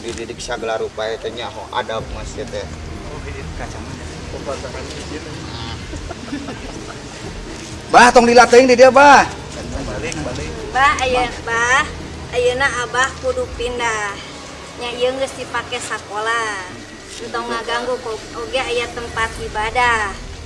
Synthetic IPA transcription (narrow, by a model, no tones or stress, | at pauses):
dididiksaɡəlaɾupaet̪əɲaɦoa̰dapuŋasət̪ɛ | kat͡ʃamana | obataɾanid͡ʒin | baht̪ɔŋdilat̪əiŋdidiabah | balŋabahajəbah | ajənaʔabahkudupindah | ɲaijəŋɡəsdipakɛsakola | nt̪ɔoŋaɡaŋɡuko | oɡɛajat̪əmpat̪̚ibadah